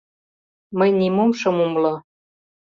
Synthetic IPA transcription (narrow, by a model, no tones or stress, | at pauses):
məjnimomʃɤ̆mumlɤ